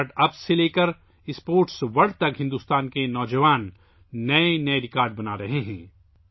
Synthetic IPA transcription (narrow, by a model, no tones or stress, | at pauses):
ɖɐbseleːkəɾ | ɪspoːɾʈsʋɐɽ̤t̪ɐkɦɪ̃nd̪uːst̪aːnkenɔːd͡ʒəʋaːnː | ɐenɐeɾɪkaːɾɖ̚bɐnaɾɐɦeɦɛ̃ː